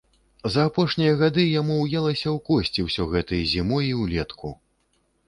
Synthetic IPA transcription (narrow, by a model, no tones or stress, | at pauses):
zɐːpɔʂnʲijɐɣad̪ɨjamuwjɛlˠɐsʲɐwkɔsʲt͡sʲiwsʲɔɣɛt̪ɐjɐzʲimɔjiwlʲɛt̪kʰṵ